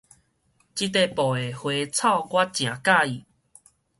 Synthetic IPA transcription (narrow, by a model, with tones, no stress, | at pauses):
t͡ɕi˦t̪̬e˧pɔ˨˩e˨˩hwe˧t͡sʰa˥˧˨ʊɡwa˦t͡ɕj̃ã˨˩˦ka˥˧˨i˨